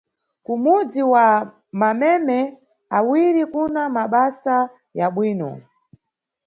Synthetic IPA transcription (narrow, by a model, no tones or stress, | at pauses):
kumud͡ziwa | mamɛmɛ | awiɾikunamaɓasa | jaɓwiːnɔ̰